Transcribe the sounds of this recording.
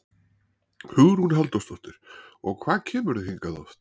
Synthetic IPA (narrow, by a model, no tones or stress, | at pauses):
hʏɣɾ̥hunɦɛlt̪ɔst̪ɔht̪ɪɾ̥ɔɣkʰvaːðcʰɛːmʏɾðɪhiŋkaðɔ̰st̪